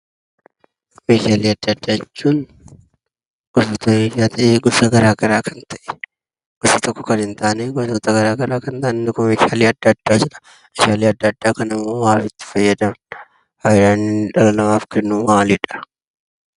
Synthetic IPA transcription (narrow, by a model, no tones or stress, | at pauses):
meːʃaːleːɐd̪ːɐɐd̪ːaːjɛt͡ʃːuːn | ʔʊsʊt̪ɐmeːʃaːt̪ʰɐʔeɡʊsɐɡɐɾaːɡɐɾaːkɐnt̪ʰɐʔɛ̥ | ɡ̥ʊsɐt̪ɔkːɔ̥kɐnhɪnt̪aːneɡɔsot̪ɐɡɐɾaːɡɐɾaːkɐnt̪aːnɛnɪkɔmeːʃɪaːleːɐd̪ːɐd̪̥ːaːd͡ʒɪᶑɐ̥ | ɪʃaːleːɐd̪ːɐd̪ːaːkɐnɪmːoːwaːfɪt̪ːɪ̥fɐjːɐd̪ɐm | hɐɪɾaːnːɪᶑɐlɐlɐmaːfkɛnːuːmaːliᶑɐ̥